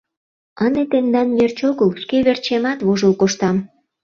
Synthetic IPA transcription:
ɑnet̪end̪ɑnjert͡ɕoɣəlskeβert͡ɕemɑt̪βoʒəlkoʃt̪ɑm

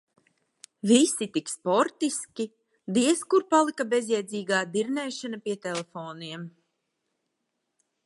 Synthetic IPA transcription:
visit̪ikspɔɾt̪iskʲi | d̪iɛskuɾpalˠikabezjɛd̪ziːɡaːd̪iɾnɛːʃanapiɛt̪ɛlɛfoːniɛm

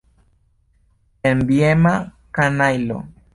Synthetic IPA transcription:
embiema | kanajlo̰

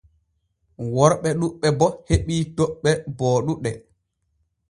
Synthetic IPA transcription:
wɔɾɓɛɗuɓːɛbɔheɓiːtɔɓːɛbɔːɗuɗɛ

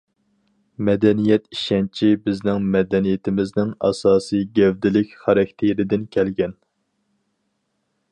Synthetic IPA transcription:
mɛd̪ɛnijɛt̪iʃɛnt͡ʃʰibɪznɪŋmɛd̪ɛnijɪt̪ʰɪmɪznɪŋɑ̰sɑːsɨjɡʲɛwd̪ɪlɪkʲχɑɾɛk̚ʲt̪ʰeɾɪd̪ɪnkʲʰɛlɡʲɛn

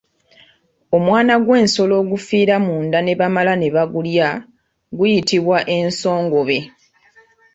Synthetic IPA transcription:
o̞mwaːnaɡwe̞ːnso̞lo̞ːɡufiːɾamuːndane̞βamalane̞βaɡulja | ɡujitiβwaʔe̞nso̞ːŋɡo̞βe̞

